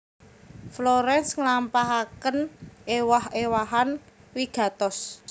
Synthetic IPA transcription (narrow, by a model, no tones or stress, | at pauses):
floɾɛnsŋlampaɦakənʔewahewaɦan | wiɡ̥a̤t̪ɔs